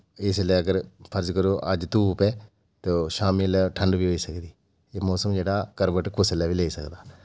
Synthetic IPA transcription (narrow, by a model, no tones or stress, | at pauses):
ɪsleːəɡəɾpʰəɾd͡ʒkəɾoːʔəd͡ʒt̪uːpɛː | t̪oːʃaːmilʈʰə̃ɳɖbiːɦoːiːsəkd̪iː | eːmɔːsəmd͡ʒeːɽaːkəɾbəʈkʊslɛːʋiːleːsə̰kd̪aː